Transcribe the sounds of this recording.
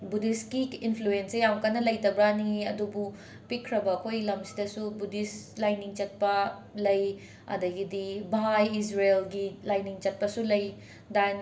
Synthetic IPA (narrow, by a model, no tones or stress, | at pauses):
budiskiinpʰluensejamkɐnɐlɐjtɐbɾaniɐ̰dubu | pikʰɾɐbɐːkʰojlɐmsi̥dɐsubudis | lajniŋt͡ʃɐt̚pɐ | lɐj | ɐ̰dɐɡidibɦajis̬ɾelɡilajniŋt͡ʃɐt̚pɐsulɐj | dan